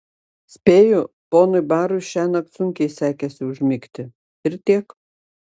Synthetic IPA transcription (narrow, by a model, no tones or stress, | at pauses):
sʲpʲeːjʊ | poːnʊɪbɑːɾʊɪʃʲæːnɐk̪sʊŋʲkʲɛɪsʲæːkʲɛsʲɪʊʒʲmʲɪkt̪ʲɪ | ɪɾt̪ʲiɛk